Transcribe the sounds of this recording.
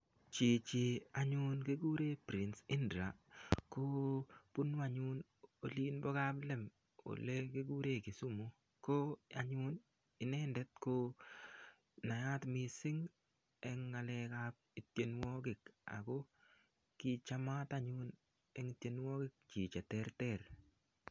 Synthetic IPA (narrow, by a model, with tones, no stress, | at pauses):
t͡ʃi˨t͡ʃi˨a˨ɲʊ˦nke˦ɡu˦ɾe˦pɾi˨nsɪ˦ndɾa˨ko˦pu˦no˦a˨ɲʊ˦n | o˨liː˦nbɔ˦ka˦blɛ˦m | o̰˨le˦ke˦ɡu˦ɾe˦ki˨su˦mo˨ | ko˦a˨ɲʊ˦n | ɪ˨nɛ˦ndɛ˦t̚ko˦ | na˨ja˦tmi˨sɪ˦ŋ | ɛ˦ŋːa˨lɛ˦ka˦p̚ | i˨tje˦n˦wɔ˦ɡɪ˨ka̰˨ɡo˦ | ki˨t͡ʃa˦ma˦ta˦ɲʊ˦n | ɛ˦ŋi˨tje˦nwɔ˦ɡɪ˦k̚t͡ʃi˨t͡ʃa˨tɛ˦ɾtɛ˦ɾ